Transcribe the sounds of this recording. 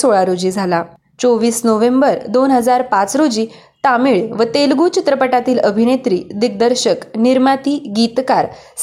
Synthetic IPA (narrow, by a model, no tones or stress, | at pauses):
soɭaɾod͡ʑiːd͡zʱala | t͡soʋiːsnoʋembəɾd̪onɦəd͡zaɾpat͡sɾod͡ʑiː | t̪amiɭʋət̪elɡuːt͡ɕit̪ɾəpəʈat̪iːləbʱinet̪ɾiːd̪iɡ̚d̪əɾɕəkniɾmat̪iːɡit̪kaɾ | s